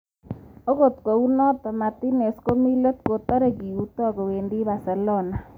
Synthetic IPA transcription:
o˦ko˨t̪ko˨u˦nɔ˦t̪ɔ˨ma˨t̪i˦ne˨sko˦mi˦lo˦t̪̚ko˨t̪ɔ˦ɾe˦˨ki˨u˦t̪ːkɔ˨we˨ndi˦ba˨sɛ˨lɔ˦na˨

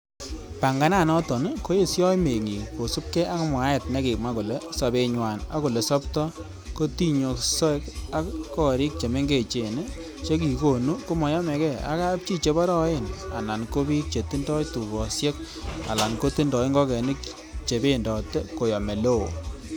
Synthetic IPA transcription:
pa˨ŋɡa˨˦na˦˨nɔ˦tɔ˨n˦ko˦je˦˨sjɔ˦me˨ŋi˨po˨su˦p̚kɛ˦a˦ŋmwa˨˦ɛ˨t̚ne˦kɪ˨k̚ma˦ku˨le˦sɔ˨be˧ɲwa˨na̰˦ku˨le˨sɔ˦ptɔ˦ | ko˦ti˦ɲo˨ksɔ˦ka˦kːɔ˦˨ɾi˦k̚t͡ʃe˨me˦ŋɡe˨t͡ʃe˨nɪ˦ | t͡ʃe˦k̬i˨ko˨nu˦ko˦mɔ˨jɔ˦mɛ˨kɛ˦˨a̰˦ka˦p̚t͡ʃi˦t͡ʃe˨bɔ˦ɾɔ˦e˦˨na̰˨na˨nko˦bi˦k̚t͡ʃe˨ti˦ndɔ˦tu˨bɔ˨sjɛ˦k | a̰˨la˨nko˦ti˦ndɔ˨ɪ˦ŋɡɔ˦kɛ˨nɪ˦k | t͡ʃe˨be˦˨ndɔ˨te˦ko˨jɔ˨me˨lo˦o˨

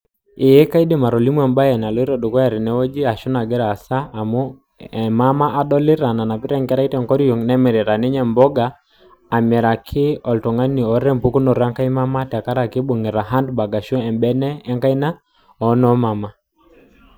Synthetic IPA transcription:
ɪ˨je˦ka˦i˦de˨ma˨ɾɔ˨li˦mu˦ɛ˨mba˦jɛ˨na˨lɔ˨˦i˦ɾa˨du˨kɔ˦a˨ɾi˨nɛ˦wo˦d͡ʒi˦a˨ʃu˦na˨ɡɛ˦ɾa˨saː˦˨mu˦ | ma˦ma˦ʔa˦ɗɔ˦lɪ˦ɾa˨na˨na˨pi˦ɾɛ˦ŋkɛ˦ɾa˦i˦tɛ˨ŋkɔ˦ɾi˦jo˨ŋnɛ˦mɛ˨ɾɪ˨ɾa˨nɪ˦ɲɛ˨mbɔ˦ɡaː˨ | mjɛ˨ɾa˨kʰɪ˦ɔ˨ltɔ˨ŋa˦ni˨ɔ˨ɾɾɛ˦mpu˦ku˦nɔ˨ɾa˦ŋka˦i˦ma˦ma˦ta˨ka˦ɾa˨kɪ˦bo˨ŋi˨ɾa˨ɦa˦ndba˨ɡa˨ʃɔ˦ɛ˨mbɛ˦nɛː˦ŋka˦i˦na˦ | ɔ˨˦nɔ˦ma˨ma˦

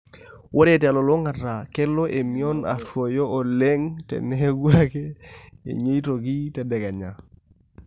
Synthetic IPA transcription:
wʔo˦ɾe˨te˨a˨lo˨lo˦ŋa˨ta˨ke˦lo˦ʔe˨mi˨o˦na̰˨two˨joː˦˨le˦ŋtɛ̰˨ne˦ɡu˦a˦ke˦ḛ˨ɲo˦i˦to˨ki˦te˨de˨ka˨ɲa˨

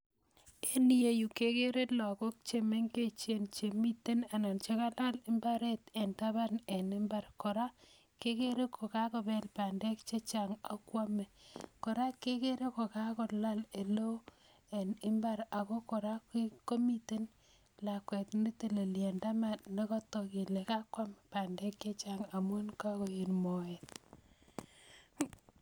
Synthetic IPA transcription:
e˦ni˦je˨ju˨ke˦ke˦ɾe˦tlɔ˨ko˦k̚t͡ʃe˨me˦ŋke˦t͡ʃje˨nt͡ʃe˨mi˦te˦na˨na˨nt͡ʃe˦ka˦la˦lɪ˦mba˦ɾe˦te˨nta˦βa˦ne˨nɪ˦mba˨rkɔ˨ɾa˦ | ke˦ke˦ɾe˦kʰo˨ka˦kɔ˨bɛ˨lpa˨ndɛ˦kt͡ʃe˦t͡ʃa˨ŋa˦kwa˦mɛ˨kɔ˨ɾa˦ke˦ke˦ɾe˦ko˨ka˦kɔ˨la˦le˨lo˦ | e˨nɪ˦mba˦ɾa˨kɔ˦kɔ˨ɾa˦ki˦ko˦mi˦te˦n | la˨kwe˨tni˦te˨le˨lje˨nda˦ma˨nne˦kɔ˦tɔ˨ki˨le˨ka˦kwa˦me˨pa˨ndɛ˦k̚t͡ʃe˦t͡ʃaŋa˨mu˦nka˦kɔ˨je˨nmɔ˨et

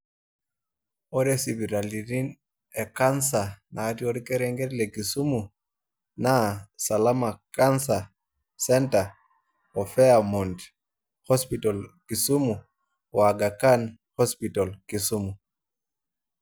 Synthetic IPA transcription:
o˦ɾesi˨bi˨ɾa˨li˨ɾi˦n | e˨ka˦nsa˨na˨atioɾike˦ɾɛŋɡe˦tle˨ki˨su˦mu˨ | na˦sa˨lama˨kansa | sɛnta˨ | o˨fɛ˦amɔ˨nt | hɔ˦spita˨lki˨su˦mu˨ | wa˨ɡa˨kan | hɔ˦spita˨lki˨sumu˨

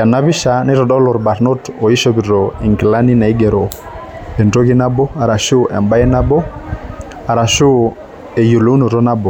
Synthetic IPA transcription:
ja˨na˦βi˦ʃa˨ne˦ɾɔ˨dɔ˦lɔ˨ɾba˨ɾno˦tɔ˨i˦ʃɔ˦bi˨ɾɔ˨i˨ŋki˨la˦ni˦na˨i˦ɡɛ˨ɾɔ˨ | ɛ˨nto˦ki˦na˦bɔ˦a˨ɾa˨ʃu˦ʔɛ̰˨mba˦ɛ˦na˦bɔ˦ | a˨ɾa˨ʃu˦ | e˨jo˨lo˦u˦no˨ɾɔ˦na˦bɔ˨

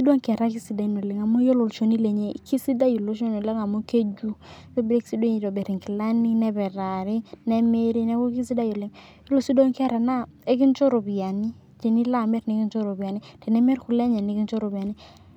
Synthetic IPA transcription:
si˦do˦ŋkɛ˨ɾa˦ki˦si˨da˨i˨no˨lɪ˨ŋa˨mɔ˦jo˦lo˨lʃo˦ni˦lɛ˨ɲɛ˦ḭ˨ki˦si˦da˦jo˨lo˦ʃ̬o˦no˨le˦ŋa˨mo˦ke˦d͡ʒu˦jo˦bi˦ɾe˦i̥˦si˦dwo˦ŋi˨dɔ˨bɛ˨ɾi˨ŋki˨la˦ni˦nɛ˦bɛ˨ɾa˨ɾɪ˦nɛ˦me˦ɾi˦nɛ˦ko˦ki˦s̬i˦da˦jo˨lɪ˨ŋ | i˦lo˨si˦do˦ŋkɛ˦ɾa˨na˦e˦ki˦nt͡ʃo˦ɾo˨bi˨ja˨ni˦ | tɛ˨ni˦la˦˨mɛ˦ɾne˦ki˦nt͡ʃo˦ɾo˨bi˨a˨ni˦tɛ˨nɛ˦mɛ˦ɾku˨˦lɛ˦ɲɛ˨ne˦ki˦nt͡ʃo˦ɾo˨bi˨a˨ni˦

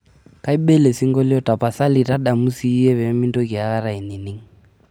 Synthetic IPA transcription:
ka˦i˦ɓɛ˦le˨si˦ŋɡɔ˦li˦ɔ˦ta˨pa˨sa˦li˨ta˦ɗa˨mu˦si˦ɛ˦βɛ˨˦mi˦ntɔ˦ki˨a˦ka˦ɾa˨i˨ni˨ni˦ŋ̩

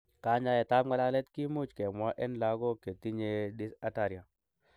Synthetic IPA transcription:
ka˨˦ɲa˦jɛ˨ta˦bŋa˦la˦lɛ˦t̪ki˦mu˦t͡ʃke˨mwa˦ʔɛ˦nla˦ɡɔ˦ke˨ti˦ɲe˦ɗi˦sa˦ta˨ɾja˨

